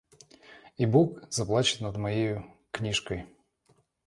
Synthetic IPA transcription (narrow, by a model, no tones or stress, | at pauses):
ibukz̥ɐplˠat͡ʃɪt̪nɐd̪mɐjejʊknʲiʂkɔj